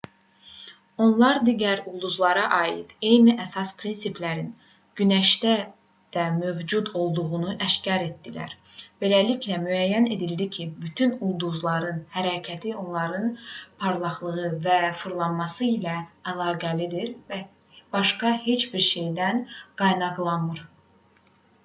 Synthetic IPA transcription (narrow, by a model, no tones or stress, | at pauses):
o̞nlˠɑɾd̪iɟæɾulˠd̪uzlˠɑɾɑʔɑːjḭd̪̥e̞jniʔæsɑspʰɾinsiplæɾin | ɟ̥ynæʃd̪æ | d̪̥æmø̞vd͡ʒud̪o̞lˠd̪uʁunuʔæʃcɑɾe̞t̪̚d̪ilæ̰ɾ | b̥e̞læliçlæmyæjːæne̞d̪ild̪icʰibyt̪ʰynulˠd̪uzlˠɑɾɯnhæɾæcʰæt̪ʰio̞nlˠɑɾɯnpʰɑɾlˠɑχlˠɯɣɯvæfɯɾlˠɑnmɑsɯilæælˠɑːɡælid̪iɾvæ | b̥ɑʃkɑhe̞t͡ʃbiɾʃe̞jd̪ænɡ̥ɑjnɑɡlˠɑnɯɾ